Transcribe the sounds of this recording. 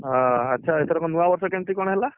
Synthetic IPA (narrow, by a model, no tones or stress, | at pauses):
ɦãətːʃʰaet̪ʰeɾɔkɔnuabɔɾsɔkeɳʈ̪ɾikɔɽ̃ɦela